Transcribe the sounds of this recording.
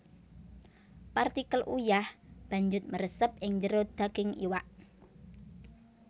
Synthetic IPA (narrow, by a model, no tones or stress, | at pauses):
part̪ikəlʔṵjahb̥a̤ɲd͡ʒʊt̪̚məɾəsəp̚ɪŋɲd͡ʒəɾod̪̥aɡ̥ɪŋḭwaʔ